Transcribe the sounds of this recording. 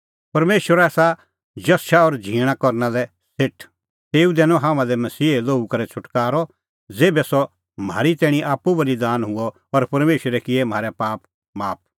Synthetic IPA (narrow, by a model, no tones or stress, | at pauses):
pɐɾmeːʃwəɾɛːsa | d͡ʒɐsʃaɔɾd͡ʒʱiːɽ̃akɔɾnalɛ | sɪʈʰ | t̪eːud̪ɛːnɔ̃ɦãːmãd̪ɛmɐsiːloːukɐɾɛt͡ʃʰʊʈkaːɾɔ | d͡zeːbɛsɔ | m̤a̰ːɾit̪ɛːɽ̃ĩʔaːpːubɐlid̪aːnɦʊɔ | ɔɾpɐɾmeːʃəɾɛkɪɛm̤aːɾɛpaːp | maːp̚